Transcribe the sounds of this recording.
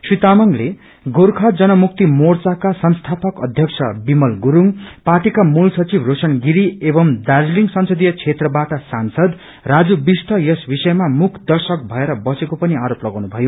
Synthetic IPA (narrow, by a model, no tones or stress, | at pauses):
sit̪amʌŋle | ɡoɾkʰad͡zʌnʌmuk̚t̪imort͡sakasʌnst̪ʰapʌkʌd̪ʱjʌk̚sʰʌ̰bimʌlɡuɾuŋparʈikamulsʌt͡sibʱrosʌnɡiɾiebʌmd̪aɾliŋsʌnsʌd̪ijʌt͡sʰet̪rʌbaʈʌsansʌd̪ | rad͡zubist̪ʰʌjʌsbisʌjmamukʰd̪ʌrsʌk̚bʱʌeɾʌbʌsekopʌniaɾoplʌɡawnubʱʌjo